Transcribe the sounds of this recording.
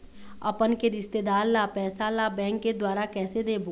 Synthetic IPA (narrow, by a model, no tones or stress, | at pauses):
ɐpənkeɾɪst̪eːd̪aːɾlapɛːsalabɛ̃ːŋkːed̪waːɾakɛːsed̪eːboː